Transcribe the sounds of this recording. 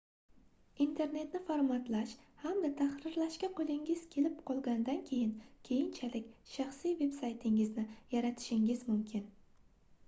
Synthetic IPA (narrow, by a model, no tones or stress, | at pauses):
int̪ʰe̞ɾne̞t̪nɪfoɾmat̪laʃhamd̪at̪ʰahɾɪɾlaʃkʲaqʰolˠɪŋɪz̥kʲʰe̞lɪpqʰɒlˠɡʲand̪ankʲʰe̞jɪnkʲʰe̞jɪnt͡ʃʰalɪkʲʃaχsijve̞psajt̪ʰɪŋɪznɪjaɾat̪ʰɪ̥ʃɪŋɪzmʊmkʲʰɪn